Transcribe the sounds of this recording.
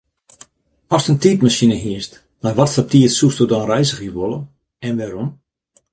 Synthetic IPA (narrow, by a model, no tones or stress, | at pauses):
ɔstəntiːtmaʃinəɦiəst | majʋɔtsəp̚tiətsustodɔnrɛjzəɣiʋolˠə | ɛnʋaɾom